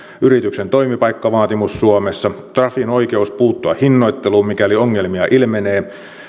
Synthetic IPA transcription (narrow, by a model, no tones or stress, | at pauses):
yɾit̪yksent̪o̞jmipɑjkːɑʋɑːt̪imusːuomesːɑt̪rɑfino̞jke̞uspuːt̪ːoɑhinːo̞jt̪ːe̞luːmmikælioŋːe̞lmiɑʔilmene̞ː